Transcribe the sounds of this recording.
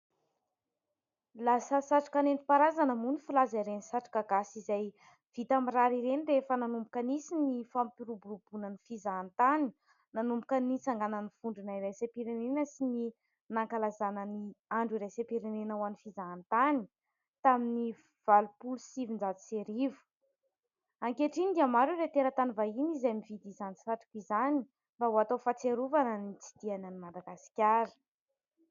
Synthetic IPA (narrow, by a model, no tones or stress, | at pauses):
lasəsaʈ͡ʂḁkanent̪i̥paɾazanəmunifilazaiɾenisaʈ͡ʂḁkaɡasizaj | v̥it̪amiraɾiɾenireefənanumbukənisinifampiɾubuɾubunənifizaːnt̪ani̥ | nanumbukənit͡saŋɡanənifuɳɖ͡ʐunairajsepiɾenenəsini | naŋkalazanəniaɳɖ͡ʐiɾejsepiɾenenəwanifizaːnt̪ani̥ | t̪amini | v̥alupulusivind͡zaziseɾivu̥ | aŋkeʈ͡ʂinid̪iamaɾuret̪eɾət̪anivainizajmivid̪izant͡si̥faʈ͡ʂu̥kʲizani̥ | mbauat̪ofat͡seɾuvanənit͡si̥d̪̥ianənimad̪aɡasi̥kʲaɾə̥